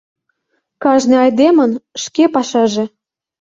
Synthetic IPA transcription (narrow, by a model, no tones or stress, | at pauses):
kɑʒnĕɑjd̪emə̆nʃkepɑʃɑʒĕ